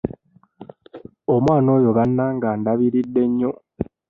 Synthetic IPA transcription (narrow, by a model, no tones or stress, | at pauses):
omwaːno̞ːjo̞βanːaŋɡaːndaβiɾidːe̞ɲːo̞